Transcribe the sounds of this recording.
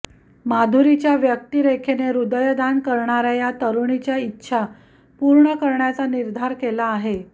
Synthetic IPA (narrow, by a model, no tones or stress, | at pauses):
mad̪ʱuɾit͡ɕjaʋjək̚t̪iɾekʰeneɾud̪əjd̪ankəɾɳaɾajat̪əɾuɳit͡ɕjaitːɕʰa | puɾɳəkəɾɳjat͡saniɾd̪ʱaɾkelaːɦe